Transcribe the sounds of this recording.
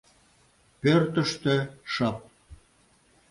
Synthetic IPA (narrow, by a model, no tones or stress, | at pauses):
pørt̪ə̆ʃt̪ĕʃɑp̚